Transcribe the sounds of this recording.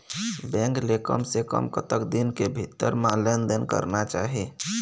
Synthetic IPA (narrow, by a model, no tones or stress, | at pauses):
bɛ̃ŋklekə̰msekə̰mkət̪əkd̪inkebʱit̪ːəɾmalend̪ənkə̰ɾnat͡ʃaɦi